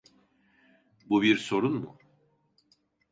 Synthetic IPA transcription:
bubiɾso̞ɾunmṵ

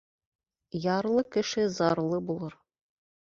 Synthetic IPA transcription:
jɑɾlˠɤkɘ̆ʃɘzɑɾlˠɤbulˠɤɾ

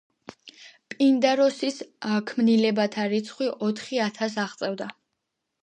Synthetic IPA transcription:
pʼind̪aɾɔsiskʰmnilɛbat̪ʰaɾit̪sʰχwiʔɔt̪ʰχiat̪ʰas̬aʁt̪sʼɛvd̪a

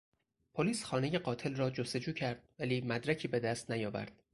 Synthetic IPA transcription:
pʰoliːsxɒːne̞je̞ɢɒːt̪ʰe̞lrɒːd͡ʒost̪e̞d͡ʒuːcʰæɾd̪̥̚væliːmæd̪ɾæcʰiːbe̞d̪æst̪næjɒːvæ̰ɾd̪̥̚

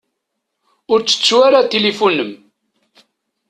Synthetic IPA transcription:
ʊɾt͡sːə̥t͡sːwaɾat̪ːelefunəm

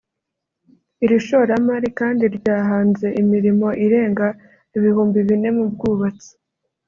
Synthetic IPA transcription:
iɾiʃo̞ɾamaɾikaːndiɾɟaːɦaːnze̞ʔimiɾimo̞ʔiɾe̞ːŋɡa | iβihuːmbiβine̞mub̚ɡuːβat͡si̥

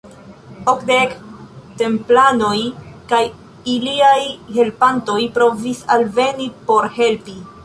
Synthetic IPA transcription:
okdekte̞mplano̞jkaj | iliajhe̞lpanto̞jpɾo̞visalve̞nipo̞ɾhe̞lpi

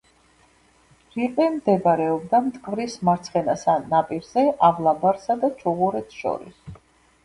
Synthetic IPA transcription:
ɾiqʼɛmd̪ɛbaɾɛɔbd̪amt̪ʼkʼvɾismaɾt̪sʰχɛnasanapʼiɾzɛʔavlˠabaɾsad̪at͡ʃʰuʁuɾɛt̪sʰʃɔ̰ɾḭs

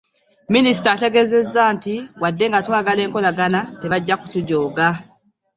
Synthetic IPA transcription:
minis̬i̥taːte̞ɡe̞ːze̞zːaːntiwadːe̞ŋɡatwaːɡale̞ːŋko̞laɡanate̞βaɟːaku̥tuɟoːɡa

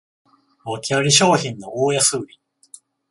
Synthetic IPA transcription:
βakʲiaɾʲiɕoːçĩnːo̞oːjasɨːɾʲi

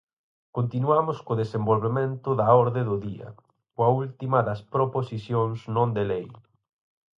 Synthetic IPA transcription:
kont̪inuamʊskʊðesembolβemẽnt̪ʊðɐɔɾðeðʊðiɐ̰ | koɐult̪imɐðɐspɾoposisjoŋznõnd̪elej

